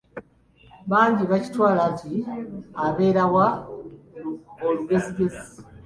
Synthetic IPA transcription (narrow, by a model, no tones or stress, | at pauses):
βaːɲɟiβaci̥twaːlaɲciaβe̞ːɾawa | oluɡe̞ziɡe̞zi